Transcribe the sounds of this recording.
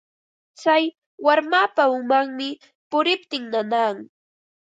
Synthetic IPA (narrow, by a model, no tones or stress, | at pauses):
t͡saj | waɾmapaʊmaŋmɪ | pʊɾɪp̚t̪ɪŋnanaːŋ